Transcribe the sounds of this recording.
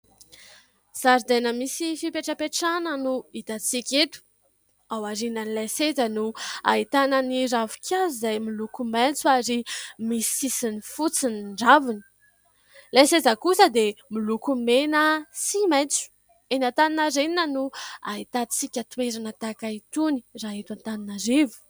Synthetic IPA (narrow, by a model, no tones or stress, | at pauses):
z̥aɾd̪enəmisifipeʈ͡ʂəpeʈ͡ʂanənuit̪at͡sikʲet̪u̥ | awaɾinənilasezənua̰ɦit̪anəniɾavu̥kʲʰazizajmilukumant͡suaɾimisisinifut͡siniɳɖ͡ʐavinə̥ | lased͡zəkusəd̪emilukumenəsimajnt͡su̥ | enant̪aninaɾeninənua̰ɦit̪at͡sikʲət̪weɾanət̪akait̪uni̥raɦet̪ant̪aninaɾevu̥